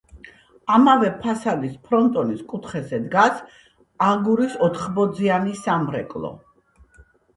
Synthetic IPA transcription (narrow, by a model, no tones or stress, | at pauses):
amavɛpʰasad̪ispʰɾɔnt̪ʼɔniskʼut̪ʰχɛzɛd̪ɡas | aɡuɾisɔt̪ʰχbɔd̪zianisamɾɛ̰kʼlˠɔ̰